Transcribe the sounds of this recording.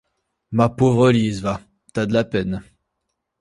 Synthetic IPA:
mapovʁəlizva | t̪ad̪əlapɛn

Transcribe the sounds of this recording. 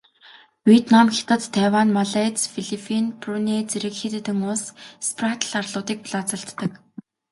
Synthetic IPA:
wiet̪namxʲi̥t̪ə̆t͡s̪t̪ʰːæwanmaɮat͡sfiɮipʰinpruneːt͡seɾɘ̆kxit̪et̪ɘ̆ŋʊsspʰrat̪ʰɮarɮʊːt̪iːk̚pɮat͡sə̆ɬt̪ːə̆k

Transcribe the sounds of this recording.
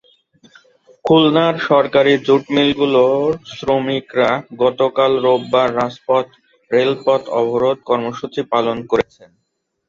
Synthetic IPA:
kʰulnaɾʃɔɾkaɾid͡ʑuʈmilɡulosɾomikɾaɡɔt̪okalɾobːaɾːaspɔt̪ | ɾelpɔt̪ɔbʱoɾod̪̚kɔɾmoʃut͡ɕipalonkoɾet͡ɕʰen

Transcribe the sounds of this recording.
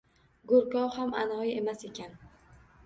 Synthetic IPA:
ɡoɾkɒwhama̰nɒjje̞mase̞kʲʰan

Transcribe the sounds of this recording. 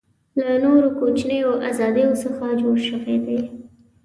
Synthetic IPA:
lanoɾokot͡ʃnejoʔazɑd̪əjosəxad͡ʒoɽʃəwed̪e

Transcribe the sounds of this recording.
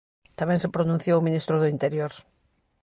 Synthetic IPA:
t̪amɛ̃ŋsepɾonũn̟θjowmĩnist̪ɾʊðʊint̪eɾjoɾ

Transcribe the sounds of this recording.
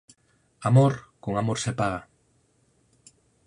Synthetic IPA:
amoɾkoŋamoɾsepaɣa

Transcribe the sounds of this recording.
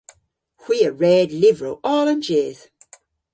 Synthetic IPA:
hw̥iːəɹɛːdlɪvɹoʊʔɔːlə̃nd͡ʒɛːz̥

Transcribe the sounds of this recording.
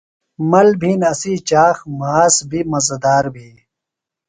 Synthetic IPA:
mɐlbʱiːnɐsiːt͡ɕaːxmaːsbʱiːmɐzɐd̪aːɾbʱiː

